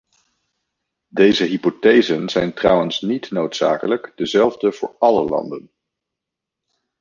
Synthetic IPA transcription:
dejzəɦipotejzənzɛjntrʌwənsnitnowtsa̰ːkələkdəzɛlˠvdəvʊːɹɑlə̰lɑ̰ndən

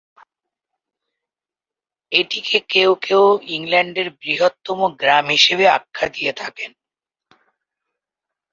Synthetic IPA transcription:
eʈikʰekeokeoiŋlɛɳɖeɾbɾiɦot̪ːomoɡɾamɦiʃeβea̰kʰːad̪ijet̪ʰaken

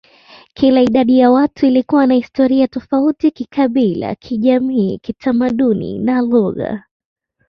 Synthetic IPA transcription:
kʰilaiɗaɗijawatuilikuwanahistɔɾiatɔfautikikʰaɓila̰kʰiʄamiːkitʰamaɗunḭnaluɣa̰

